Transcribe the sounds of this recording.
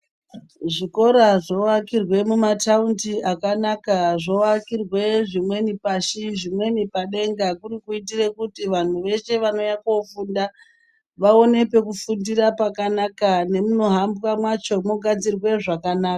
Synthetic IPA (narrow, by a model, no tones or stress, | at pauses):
ʐiko̞ɾaʐo̞akirwe̞mumatauntiakanakaʐoakirwe̞ʐimwe̞nipaʃiʐimwe̞nipaɗe̞ŋɡakurikuitirekutiʋan̤uʋe̞ʃe̞ʋano̞jakofuːnda | ʋao̞ne̞pe̞kufundirapakanakane̞muno̞ɦambwamwat͡ʃo̞moɡʱad͡zirwe̞ʐakanaːka